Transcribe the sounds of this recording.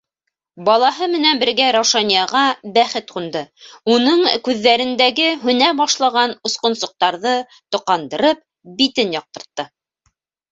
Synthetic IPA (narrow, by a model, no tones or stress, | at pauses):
bɑlˠɑɦɤmɘ̆nænbɘ̆ɾɡæɾɑwʃɑnijɑʁɑbæχɘt̪qund̪ɤunɤɴkʉðːæɾɘ̆nd̪æɡɘɦɵ̆næbɑʃlˠɑʁɑnŏsqŏnsŏq̚t̪ɑɾðɤ | t̪ŏqɑnd̪ɤ̆ɾɤp̚ | bit̪ɘnjɒq̚t̪ɤ̆ɾt̪ːɤ